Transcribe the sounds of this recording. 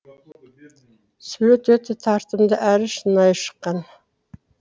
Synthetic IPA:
sylɵt̪wɵt̪ɪt̪ʰɑɾt̪əmd̪əʔæɾɪʃənɑjʃə̥qːɑn

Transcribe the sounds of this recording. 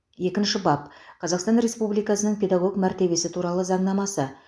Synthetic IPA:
je̞kʲɪnʃɪbɑpqʰɑzɑqst̪ɑnɾe̞spublijkɑsənəɴpʰʲe̞d̪ɑɡo̞kmæɾt̪e̞be̞sɪt̪ʰuɾɑlˠəzɑɴnɑmɑsə

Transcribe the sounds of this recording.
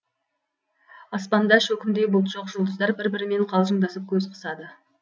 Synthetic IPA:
ɑspɑnd̪ɑʃɵkʲɪmd̪e̞bʊlˠt̪ʒ̥oqʒ̥ʊlˠd̪əzd̪ɑɾbɪɾbɪɾɪme̞ɴqʰɑlˠʒəɴd̪ɑsəp̚kʲʰɵzqʰə̥sɑd̪ə

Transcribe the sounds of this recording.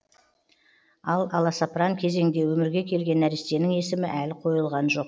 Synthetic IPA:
ɑlˠɑlˠɑsaprɑŋkʲʰe̞ze̞ŋd̪e̞wɵmɪɾɡʲe̞kʲʰe̞lɡʲe̞næɾɪst̪e̞nɪŋe̞sɪmɪʔælɪqʰo̞jəlˠʁɑnʒo̞q

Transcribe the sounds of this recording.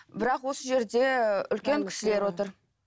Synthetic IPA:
bɪɾɑqwo̞səʒe̞ɾd̪e̞ʏ̰lkʲe̞ŋkʲʰɪ̥ʃɪle̞ɾwo̞t̪əɾ

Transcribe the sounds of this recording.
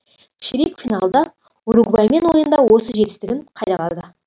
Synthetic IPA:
ʃɪɾikfʲinalˠd̪ɑ | ʊɾuɡbɑjme̞nwo̞jənd̪ɑwo̞səʒe̞t̪ɪ̥st̪ɪɡʲɪɴqʰɑjd̪ɑʁɑ̰lˠd̪ə

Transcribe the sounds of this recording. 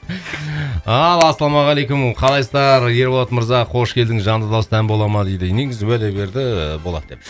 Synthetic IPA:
ɑlˠɑsɑlˠɑmɑʁɑlˠejkʊmqʰɑlˠɑjsəd̪ɑɾje̞ɾbolˠɑt̪məɾzɑqʰo̞ʃkʲʰe̞ld̪ɪŋʒɑnd̪əd̪ɑsəd̪ʰænbo̞lˠɑmɑd̪ejd̪ɪne̞ɡʲɪzɪwæd̪ebe̞ɾd̪ɪbo̞lˠɑ̰t̪d̪e̞p

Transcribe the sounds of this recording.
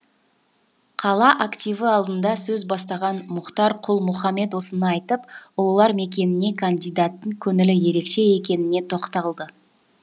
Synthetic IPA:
qʰɑlˠɑʔakt̪ʲijvəɑlˠd̪ənd̪ɑsɵzbɑst̪ɑʁɑnmʊqt̪ɑɾqʰʊlˠmʊχɑme̞t̪wosənəɑjt̪əpwo̞lˠɑɾme̞kʲe̞nɪne̞kʰand̪ijd̪at̪ːəɴkʲʰɵŋɪlɪje̞ɾe̞kʃe̞e̞kʲe̞nɪne̞t̪ʰo̞qt̪ɑlˠd̪ə

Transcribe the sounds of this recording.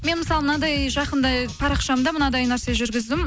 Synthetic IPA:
me̞nməsɑlˠmənɑd̪ɑjʒɑqənd̪ɑjpʰɑɾɑqʃɑd̪ɑmənɑd̪ɑjnæɾse̞ʒʏɾɡʲɪzd̪ɪm

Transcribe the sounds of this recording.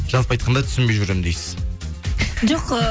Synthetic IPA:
ʒ̥ɑlˠpɑjt̪qʰɑnd̪ɑt̪ʰʏ̥sɪnbe̞jʒʏɾemnd̪ejsɪ̥z̥ | ʒoqə

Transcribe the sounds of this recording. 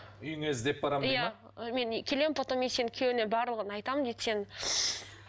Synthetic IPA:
ʏjŋezd̪e̞p̚bɑɾamjja | me̞nkʲʰe̞le̞mpot̪omense̞nɪkʲʰewɪne̞bɑɾlˠəʁənɑjt̪ɑmənd̪ejt̪se̞n

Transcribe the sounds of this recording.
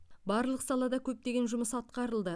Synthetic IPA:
bɑɾlˠəqsɑlˠɑd̪ɑkʲʰɵp̚t̪e̞ɡʲe̞nʒʊməsɑt̪̚qɑɾəlˠd̪ə

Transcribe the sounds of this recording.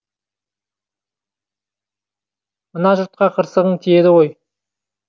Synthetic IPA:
mənɑʒʊɾt̪̚qɑqʰəɾsəʁəɴt̪ʰije̞d̪ɪʁo̞j

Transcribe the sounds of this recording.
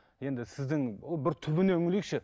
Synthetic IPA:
jend̪ɪsɪzd̪ɪŋobɪɾt̪ʰʊbɪneʊŋɪlɪk̚ʃʰɪ

